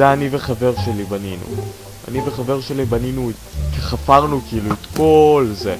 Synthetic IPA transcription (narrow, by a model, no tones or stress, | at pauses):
eaniveχave̞ʁʃe̞libaninṵ | a̰niveχave̞ʁʃe̞libaninuetkeχafaʁnukiiluet̪ko̞lze